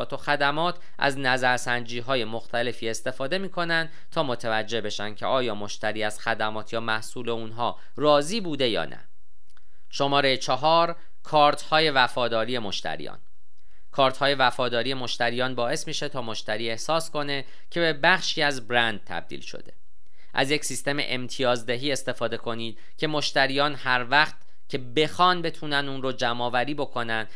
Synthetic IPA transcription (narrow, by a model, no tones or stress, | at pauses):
t̪ʰo̞xæd̪æmɒːt̪ʰ | ʔæ̰znæzæɾsænd͡ʒiːɦɒːje̞mo̞xt̪ʰæle̞fiːe̞st̪e̞fɒːd̪e̞miːkʰo̞nænd̪ | t̪ʰɒːmo̞t̪ʰævæd͡ʒːe̞hbe̞ʃænd̥̪cʰeɒːjɒːmo̞ʃt̪æɾiːæz̥xæd̪æmɒːt̪ʰjɒːmæhsuːle̞unɦɒː | rɒːziːbuːd̪e̞jɒ̰ːnæ̰ | ʃo̞mɒːɾe̞jet͡ʃʰɒɦɒːɾ | kʰɒːɾt̪ʰhɒːje̞væfɒːd̪ɒːɾije̞mo̞ʃt̪ʰæ̰ɾḭjɒ̰ːn | kʰɒːɾt̪ʰhɒːje̞væfɒːd̪ɒːɾije̞mo̞ʃt̪æɾiːjɒːnbɒːe̞smiʃe̞t̪ʰɒːmo̞ʃt̪æɾiːe̞hsɒːsko̞ne̞ | cʰe̞be̞bæχʃiːæzbɾænd̪̥̚t̪ʰæ̰b̚d̪ḭːlʃo̰d̪e̞̥̰ | ʔæ̰zje̞csist̪e̞mḛʔemt̪ʰijɒːzd̪eɦiːe̞st̪e̞fɒːd̪e̞kʰo̞niːd̪̥̚ | cʰe̞mo̞ʃt̪æɾiːjɒːnhæɾvæqt̪ | cʰe̞be̞xɒːnbe̞t̪ʰuːnænuːnɾod͡ʒæmɒːvæɾiːbo̞kʰo̞nænd̪